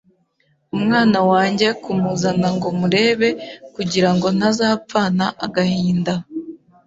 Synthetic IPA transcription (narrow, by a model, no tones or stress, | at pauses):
umŋaːnawaːɲɟe̞kumuzanaŋɡo̞muɾe̞ːβe̞kuɟiɾaŋɡo̞n̥azaːp͡faːnaʔaɡahiːnda